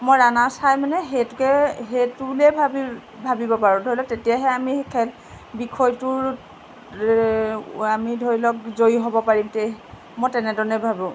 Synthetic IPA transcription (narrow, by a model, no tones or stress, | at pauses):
mojɹanasajmanɛɦetʊkɛɦetulɛbʱab | bʱabibɔpaɹɔ̃dʱoɹilɔtetijaɦɛamikʰɛl | bikʰɔjtʊɹ | amidʱoɹilɔk̚zojɦɔbɔpaɹimte | mojtɛnɛdɔnɛbʱabʊ̃